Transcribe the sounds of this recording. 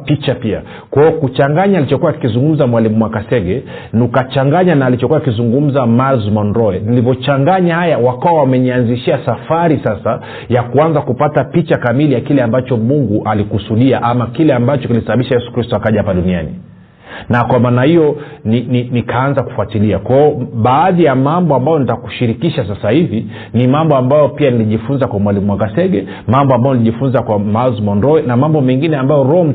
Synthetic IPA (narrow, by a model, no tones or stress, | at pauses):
pit͡ʃapia̰ | kwaɔkut͡ʃaŋɡaɲaːlit͡ʃɔkuwakizuŋɡum̩zamwalimumwakasɛɡɛ | nukat͡ʃaŋɡaɲanaːlit͡ʃɔkuakizuŋɡum̩zamalzmɔnɾɔɛnilivjɔt͡ʃaŋɡaɲahajawakawawamɛɲianziʃiasafaɾisasa | jakuanzakupatapit͡ʃakamilijakilɛambat͡ʃɔmuŋɡuʔalikusuɗiaʔamakilɛambat͡ʃɔkilisaɓaɓiʃajɛsu̥kɾistɔakaʄahapaɗunianḭ | nakwamaːnahijɔnininikʰaanzaku̥fuatiliakwaɔɓaːðijamambɔambajɔnitaku̥ʃiɾikiʃasasahivi | nimambɔambajɔpianiliʄifunzakwamwalimumwaŋɡasɛɡɛ | mambɔambajɔniliʄifunzakwamazmɔnɾɔinamambɔmɛŋɡinɛambajɔɾɔm̩